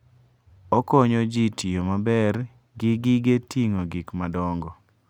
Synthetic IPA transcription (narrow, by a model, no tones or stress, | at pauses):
ɔkɔɲɔd͡ʒitiomabɛr | ɡɪɡɪɡetiŋoɡɪkmadɔŋɡɔ